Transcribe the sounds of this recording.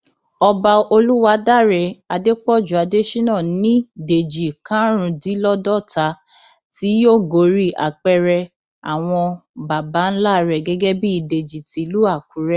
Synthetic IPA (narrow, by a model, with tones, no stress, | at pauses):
ɔ˧ba˧o˧lu˦wa˧da˦˨ɾɛ˨a˧de˦k͡pɔ˦˨d͡ʒu˨a˨˧de˦ʃi˦nã˦˨nĩ˦de˨d͡ʒi˨kã˨˦ɾ̃ũ˨˧di˨˦lɔ˦dɔ˦˨ta˨˦ | ti˨˦jo˦˨ɡo˨˦˨ɾi˦ʔa̰˨k͡pɛ˧ɾɛ˧ | a˨w̃ɔ̃˧ba˨ba˨˦n̩˦la˦˧ɾɛ˨ɡɛ˦ɡɛ˦bi˦i˧de˨d͡ʒi˨ti˨˦lu˦a˦˨ku˨˦ɾɛ˦